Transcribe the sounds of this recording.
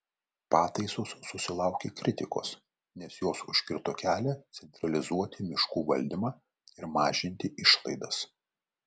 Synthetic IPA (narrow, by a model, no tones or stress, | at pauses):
pɑːt̪ɐɪsoːsːʊsʲɪlˠɑʊkʲeːkɾʲɪt̪ʲɪko̰ːs | nʲɛsjoːsʊʃʲkʲɪɾt̪oːkʲæːlʲɛt̪sʲɛnʲt̪ɾɐlʲɪzuɔt̪ʲɪmʲɪʃkuːʋɐlʲd̪ʲɪmɑː | ɪɾmɑːʒʲɪnʲt̪ʲɪʔɪʃlˠɐ̰ɪd̪ɐs